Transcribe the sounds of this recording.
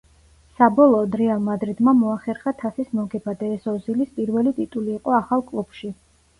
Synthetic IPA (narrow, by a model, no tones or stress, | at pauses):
sabɔlˠɔːd̪ɾɛalˠmad̪ɾid̪mamɔaχɛɾχat̪ʰasismɔɡɛbad̪aɛsɔzilispʼiɾvɛlit̪ʼit̪ʼuliːqʼɔaχalˠkʼlˠub̥ʃi